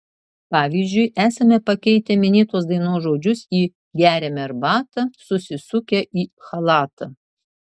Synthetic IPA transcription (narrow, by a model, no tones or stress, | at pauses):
pɑːʋʲiːzʲd͡ʒʲʊɪʔæːsɐmʲɛpɐkʲɛɪt̪ʲɛmʲɪnʲeːt̪oːsd̪ɐɪnoːsʒoːd͡ʒʲʊsiː | ɡʲæːɾʲɛmʲɛɾbɑːt̪ɐsʊsʲɪsʊkʲɛʔiːxɐlˠɑːt̪ɐ